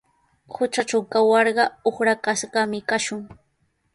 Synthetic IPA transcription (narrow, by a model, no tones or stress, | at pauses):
hʊt͡ʃaʈ͡ʂawkawɑɾɢɑoχɾakasɢɑmɪkaʃʊŋ